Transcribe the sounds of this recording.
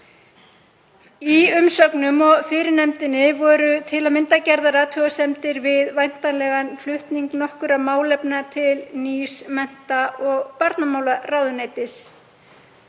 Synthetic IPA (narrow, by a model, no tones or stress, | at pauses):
iʏmsœknʏmɔɣfɪːɾɪnɛmt̪ɪnːɪvɔːɾʏt̪ʰɪlawmɪnt̪acɛɾðaɾaːt̪ʰɔasɛmt̪ɪɾvɪðvajn̥t̪anlɛɣanflʏht̪niŋknɔhkʏɾamaːwlɛpnat̪ʰɪlnismɛn̥t̪aʔɔɣpaɾt̪namaːwlaraːwðʏnaːjt̪ɪs